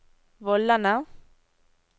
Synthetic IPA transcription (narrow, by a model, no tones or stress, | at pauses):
bɔlːana